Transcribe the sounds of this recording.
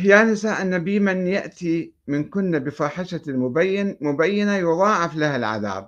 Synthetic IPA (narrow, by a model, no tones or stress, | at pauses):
hjaːnɪsaːʔɪnːabiːmɪnjaʔt̪i | mɪnkʊnːabɪfɑːħɪʃamʊbajːnmʊbajːɪnajʊðˤɑːʕɪflahalʕa̰ða̰ːb̚